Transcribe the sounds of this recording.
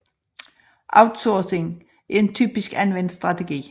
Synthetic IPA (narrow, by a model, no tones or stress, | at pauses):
ʔɑ̰ʊd̥sɔːse̝ŋ | æɐe̝ntʰyːb̥isɡ̥ænʋen̰d̥sd̥ʁɑ̈tʰeɡ̥ḭː